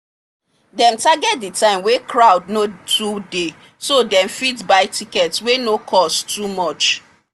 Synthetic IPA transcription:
dɛ̃mtaɡɛtditãɪ̃mwekʰɹaʊdnotude | sodɛ̃mfitbaɪtʰikɛtswenokʰɔstumɔt͡ʃ

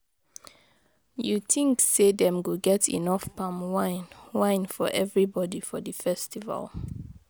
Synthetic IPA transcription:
juθʰĩŋksedɛ̃mɡoɡɛtʰḭnɔfpʰãmwãɪnwãɪ̃nfɔ̰ʔɛvɹibɔdifɔdəfɛstiva̰lˠ

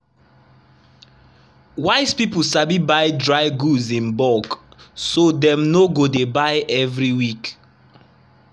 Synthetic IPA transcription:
waɪspipusabibaɪdɹaɪɡuzĩnbɔksodɛ̃mnoɡodebaɪʔɛvɹiwik

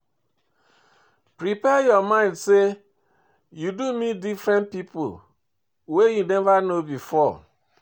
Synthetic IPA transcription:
pɾipɛjɔmãɪ̃ndse | judumidifɾɛ̃npipo̰l | wejunevanobifɔ

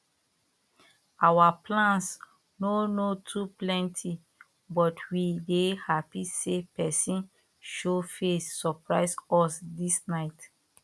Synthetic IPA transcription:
awaplãns | nonotʰuplɛ̃ntʰi | bɔtʰwidehapisepɛsĩn | ʃofesːɔpɹaɪsɔsdisnaɪt

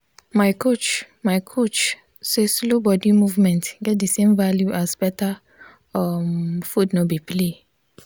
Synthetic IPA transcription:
maɪkʰot͡ʃ | maɪkʰot͡ʃ | seslobɔdimuvmɛ̃ntɡɛt̚disẽmvaljuʔasbɛta | ɔmfudnɔbiple

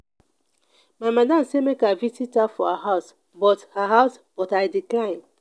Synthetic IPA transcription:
mamadãmsemekavisitafɔhaɦas | bɔthaɦaʊs | b̥ɔtajdiklãɪ̃n

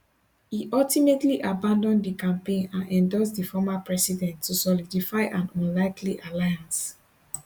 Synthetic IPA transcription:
hiʔɔltimetliʔabãndɔ̃ndikãmpẽnãnɛ̃ndɔsdifɔmapɹɛsidɛ̃ntʰːusɔlidifaɪʔãnɔ̃nlaɪkʰliʔalajãns

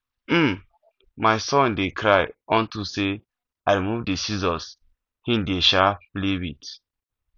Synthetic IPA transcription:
m̩ | maɪsɔ̃ndekʰɾajɔ̃ntuse | aɾimuvdesizɔs | hĩndeʃaplebit

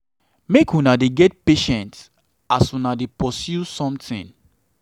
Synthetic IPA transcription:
mekũnadeɡɛt̚peʃɛ̃nt | asũnadepɔsjusɔ̃mtḭ̃n

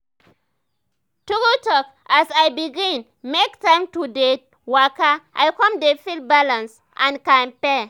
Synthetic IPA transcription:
tuɡutɔk | asajbiɡĩn | mektãɪmtude | wakaʔa̰jkɔ̃mdefilbalãns | ʔãnkãmpɛ

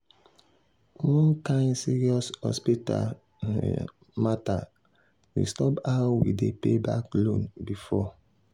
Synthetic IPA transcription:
wɔ̃nkãɪ̃nsiɾiɔshɔ̰spita̰ | mata | wḭstɔpaʊwḭdepebaklõnbifɔ

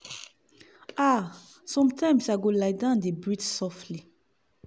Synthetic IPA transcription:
a | sɔ̃mtʰãj̃msaɡolaɪdãndebɹitsɔftli

